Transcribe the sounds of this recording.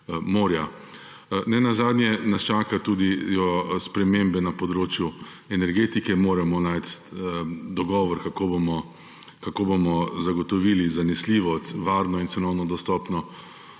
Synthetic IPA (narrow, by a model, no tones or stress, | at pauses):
moːɾja | nɛnazaːd̪nʲjɛnast͡ʃaːkat̪uːd̪ijɔspɾɛmembɛnapɔd̪ɾoːt͡ʃju | ɛnɛɾɡeːt̪ikɛmoːɾamɔnajt̪ | d̪ɔɡɔːʋɔɾkakobomɔ | kakoːbomɔzaɡɔt̪ɔʋiːlizanɛsliːʋɔst̪ʋaːɾnɔinsɛnɔwnɔd̪ɔst̪ɔːpnɔ